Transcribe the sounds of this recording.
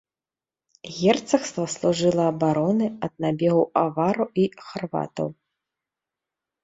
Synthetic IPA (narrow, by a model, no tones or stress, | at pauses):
ɣʲɛrt̪sɐxst̪vɐslˠuʐɨlˠɐːbaɾɔnɨɐd̪̚nabʲɛɣɐwavaɾɐwixarva̰t̪ɐ̰w